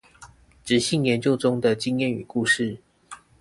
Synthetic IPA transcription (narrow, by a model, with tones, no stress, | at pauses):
ʈ͡ʂɻ̩˨˥ɕi˥˨ŋjɛ˨˦nt͡ɕjo˥˧ʊʈ͡ʂʊ˦ŋd̪ə˨t͡ɕi˦ŋjɛ˥˨ny̰˨˩ku˥˧ʂɻ̩˥˩